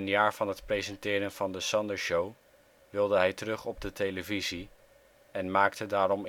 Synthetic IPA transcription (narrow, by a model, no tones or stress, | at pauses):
ənjaːɹv̥ɑnɦətprezɛntɪːɾənvɑndəsɑndəɹʃow | ʋɪlˠdəɦɛjtərɵχɔb̚dətejləvizi | ɛnmaːktədaːɾɔm